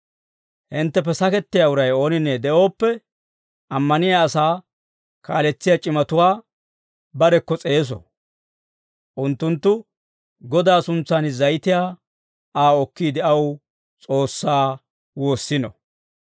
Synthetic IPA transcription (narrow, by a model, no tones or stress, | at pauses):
hɪnt̪ːɛp̬ɛsɐkɛt̪ːɪjaʊɾɐjo̞ːnɪnːɛd̪ɛʔo̞ːpːɛ | ʔɐmːɐnɪjaːsaː | ka̰ːlɛt͡sːɪjat͡ʃʼɪmɐt̪ʊwaː | bɐɾɛkːɔt͡sʼe̞ːs̬ɔ̰ | ʔʊnt̪ːʊnt̪ːʊ | ɡɔd̪aːsʊnt͡sːaːnzɐjɪt̪ɪjaː | aːɔkːiːd̪ɛʔɐw | t͡sʼo̞ːsːaː | wo̞ːsːɪnɔ̰